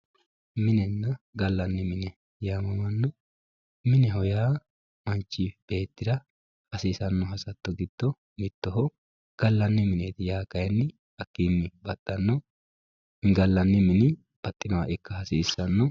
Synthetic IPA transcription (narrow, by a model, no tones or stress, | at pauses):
mɪnɛnːɐɡɐlːɐnːɪmɪnɛ | jaːmɐmɐnːɔ | mɪnɛɦɔjaː | mɐnt͡ʃːiːb̥e̞ːt̪ːɪd̪ɐ | hɐsiːsɐnːɔɦɐsɐt̪ːɔɡɪd̪̥ːɔ | mɪt̪ːɔɦɔ | ɡ̥ɐlːɐnːɪmɪneːt̪ɪjaːkɐjnːɪ | ɐkːiːmːɪbɐt̪ʼːɐnːɔ | ŋɡɐlːɐnːɪmɪnɪ | b̥ɐt̪ʼːɪnɔwa̰ːʔɪkːɐhɐsiːsːɐnːɔ